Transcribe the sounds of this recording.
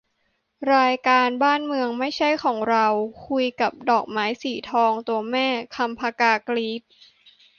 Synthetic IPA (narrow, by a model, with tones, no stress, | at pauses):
ɾaː˧jkaː˧nbaː˥˩nmɯ˧əŋma˥˩jt͡ɕʰa˥˩jkʰɔː˩˦ŋɾa˧wkʰu˧jka˨˩p̚dɔː˨˩k̚maː˦˥jsiː˨˩˦t̪ʰɔː˧ŋt̪u˧ɐmɛː˥˩kʰa˧mpʰaː˧kaː˧kliː˦˥p̪̚